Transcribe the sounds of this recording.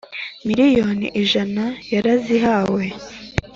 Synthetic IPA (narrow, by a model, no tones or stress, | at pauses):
miɾijo̞nḭʔiʒanajaɾaziɦaːwe̞